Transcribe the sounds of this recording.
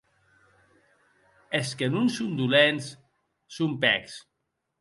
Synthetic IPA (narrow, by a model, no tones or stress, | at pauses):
eskenunsund̪ulensː | umpɛks